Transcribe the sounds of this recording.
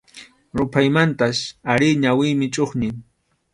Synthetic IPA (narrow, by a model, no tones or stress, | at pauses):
ɾʊpʰajmant̪asaɾɪɲawɪjmɪt͡ʃʼoχnɪŋ